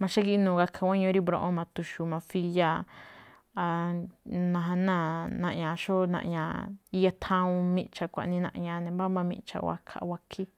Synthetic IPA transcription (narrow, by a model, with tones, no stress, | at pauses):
mã˧ʃa˦ki˦ʔnũː˨ɣa˧kʰa˧wʷã˦ɲõ˧˦ɾi˦bɾõ̰˧˨ʔõ˦mã˧t̪u˧ʃu˧mã˧fi˧ja˧ | a˧ | nã˧ɦã˧nã˦˨nã̰˧ʔɲã˨ʃo˦nã̰˧ʔɲã˨i˧ja˧t̪ʰã˧ũ˧mĩ˧˦t͡ʃa˧kʷa̰˨ʔnĩ˧nã̰˧ʔɲã˧nẽ˨ba˦mbã˧mḭ̃˧ʔt͡ʃa̰˧wʷa̰˧kʰa̰˧ʔwa˧kʰi˦